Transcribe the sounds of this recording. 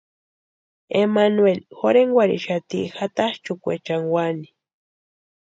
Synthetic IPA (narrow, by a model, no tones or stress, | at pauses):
emanwelxoɾeŋwaɾḭʃat̪ixat̪aht͡ʃukʷḛt͡ʃaŋwani̥